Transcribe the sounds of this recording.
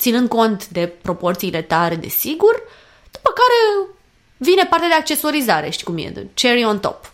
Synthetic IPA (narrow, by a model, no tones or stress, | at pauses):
t̪sinɨnd̪̚ko̞nt̪d̪e̞pɾo̞po̞rt̪siːle̞t̪aɾe̞d̪e̞̰siɡur | d̪̥upəkaɾe̞ | vine̞part̪ead̪e̞ak̚t͡ʃe̞so̞ɾizaɾe̞ʃt̪i̥kumjḛt͡ʃeɾiont̪o̞̰p